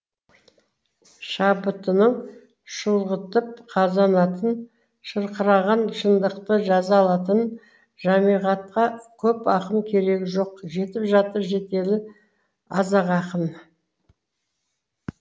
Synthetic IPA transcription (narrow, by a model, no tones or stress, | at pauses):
ʃɑbət̪ənəɴ | ʃəlˠʁət̪əp̚qʰɑzɑnɑt̪ən | ʃəɾqəɾɑʁɑnʃənd̪əqt̪əʒɑzɑːlˠɑt̪ən | ʒɑmijʁɑt̪̚qɑkʲʰɵpɑqənkʲʰe̞ɾe̞ɡʲɪʒo̞qʒe̞t̪ɪpʒɑt̪əɾʒe̞t̪e̞lɪ | ɑzɑʁɑqən